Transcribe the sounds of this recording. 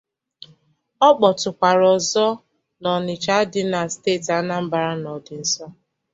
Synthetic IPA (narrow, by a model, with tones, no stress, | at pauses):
ɔ˦k͡pɔ˨tʊ˨kʷa˨ɾɔ˨zɔ˦ | nɔ˨nɪ˨t͡ʃa˦dɪ˦na˨steː˦˨ta˨˦na˦m̩˦ba˨ɾa˦nɔ˨dɪ˨n̩˨sɔ˦